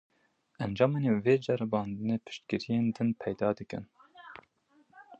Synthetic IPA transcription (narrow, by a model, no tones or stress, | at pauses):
ʔɛnd͡ʒɑːmeːneveːd͡ʒɛɾɨbɑːnd̪ɨneːpʰɨ̥ʃt̪kɨɾijeːnd̪ɨnpʰɛjd̪ɑːd̪ɨkɨ̰n